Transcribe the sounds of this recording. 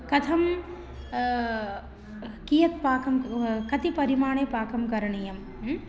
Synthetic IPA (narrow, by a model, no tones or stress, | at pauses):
kɐt̪ʰɐm | kijɐt̪̚paːkʰɐmkɐt̪ipɐɾimaːɳeːpaːkʰɐmkɐɾɐɳijɐm